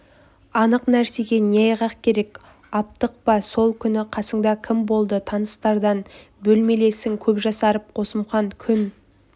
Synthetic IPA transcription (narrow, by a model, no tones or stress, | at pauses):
ɑnəqnæɾse̞ɡʲe̞neɑjʁɑqkʲʰe̞ɾe̞kʲ | ɑp̚t̪əq̚pɑso̞lˠkʲʰʏnɪqʰɑsəɴd̪ɑkʲʰɪmbo̞lˠd̪ət̪ʰɑnəst̪ɑɾd̪ɑn | bɵlme̞le̞sɪŋkʲʰɵpʒɑsɑɾəp̚qʰo̞səmʁɑŋkʲʰʏn